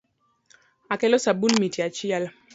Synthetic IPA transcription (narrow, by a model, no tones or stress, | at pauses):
akɛlɔsabulmitiat͡ʃial